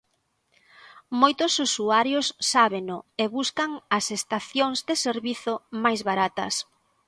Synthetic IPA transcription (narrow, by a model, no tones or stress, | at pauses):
mojt̪ʊsusuaɾjʊsːaβenʊeβuskɐŋɐsest̪aθjoŋzd̪ɪseɾβiθʊmajzβaɾat̪ɐ̰s